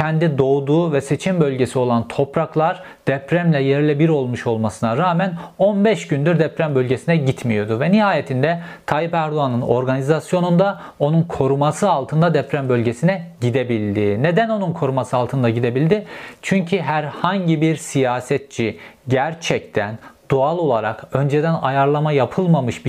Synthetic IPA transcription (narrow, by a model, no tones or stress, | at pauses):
cʰɛnd̪id̪o̞ːd̪uːvɛse̞t͡ʃʰimbølʲɟe̞sio̞lˠant̪ʰo̞pɾaklˠaɾ | d̪̥ɛpɾæmlʲɛjeɾlʲɛbiɾo̞lˠmuʃo̞lˠmasɯnaɾaːmænonbɛʃɟynd̪yɾd̪ɛpɾæmbølʲɟesinɛɟit̪ʰmijo̞d̪uvɛnihaːjet̪ʰind̪ɛt̪ʰajipæɾd̪oanɯno̞ɾɡanizasjo̞nund̪a | o̞nunkʰo̞ɾumasɯalˠt̪ʰɯnd̪ad̪ɛpɾæmbø̞lʲɟesinɛɟid̪ebilʲd̪ɪned̪æno̞nunkʰo̞ɾumasɯalˠt̪ʰɯnd̪aɟid̪ebilʲd̪it͡ʃʰyɲcʰiɦæɾhaɲɟibiɾsijaːsɛt̪̚t͡ʃʰiɟæɾt͡ʃʰɛc̚t̪ʰænd̪̥oalˠo̞lˠaɾa̰kø̞nd͡ʒed̪æna̰jaɾlˠamajapʰɯlˠmamɯʃb